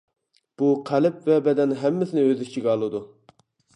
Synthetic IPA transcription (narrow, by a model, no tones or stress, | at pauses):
b̥uqʰælɪp̚vɛbɛd̪ɛnɦɛmːɪsɪnɪøzɪt͡ʃʰiɡʲɑlˠɨd̪u